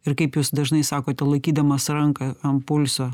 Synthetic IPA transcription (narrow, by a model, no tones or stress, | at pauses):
ɪɾkɐɪpjuːsd̪ɐʒnɐɪsɑːkoːt̪ʲɛlˠɐɪkʲiːd̪ɐmɐsɾɐŋkɐɐmpʊlʲsoː